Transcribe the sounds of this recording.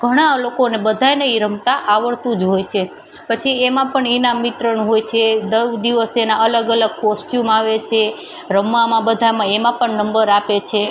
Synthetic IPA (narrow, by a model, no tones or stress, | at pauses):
ɡ̥ʱəɽ̃alokonebəd̪ʱajnəiɾəmt̪aʔaʋəɭt̪ũd͡ʒɦojt͡ʃʰe | pət͡ʃʰiemãpəɳinamːit̪ɾənɦojt͡ʃʰed̪əʋd̪iʋəsenaələɡələɡ̚kosʈjumaʋet͡ʃʰe | ɾəmːamãbəd̪ʱamãemãpəɳnəmbəɾapet͡ʃʰe